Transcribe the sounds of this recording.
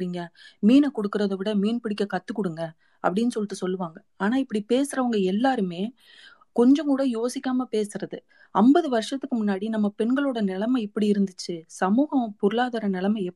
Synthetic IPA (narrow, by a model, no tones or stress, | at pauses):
ɾiːŋɡɐmiːnɐkɔɽɯkːɯɾɐðɐʋɪɽɐmiːnpɪɽɪkːɐkɐt̪ːɯkːɔɽɯŋɡɐ | ɐ̰pːɐɽɪnːɯsɔlːɪʈːɯsɔlːɯʋaːŋɡɐaːnaːɪpːɐɽipeːsɯɾɐʋɐŋɡɐɛlːaːɾɯmeː | kɔɲd͡ʒɐ̃ŋkuːɽɐjoːsɪkʲːaːmɐpeːsɯɾɐðɯ | ɐmbɐðɯʋɐɾʂɐt̪ːɯkːɯmʊnːaːɽinɐmːɐpɛnɡɐɭoːɽɐnɪlɐmɐɪpːɐɽiɪɾɯnd̪ɯt͡ʃːɯsɐmuːɣɐ̃pɔɾɯɭaːðɐɾɐnɪlɐmɐɛ